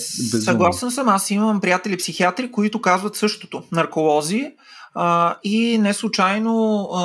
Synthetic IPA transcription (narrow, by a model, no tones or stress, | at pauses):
ssɐɡlˠasɛnsəmasiməmpɾijat̪ɛlʲipsixiat̪ɾikoit̪ʊkazvət̪sɤʃt̪o̥t̪onɐɾkolˠɔzi | inɛslˠʊt͡ʃajno